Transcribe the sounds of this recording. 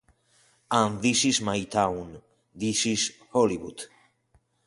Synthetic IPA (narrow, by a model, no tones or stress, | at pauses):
ə̃nðisizmajt̪ʰãwn | ðisizhɔliwṵd̥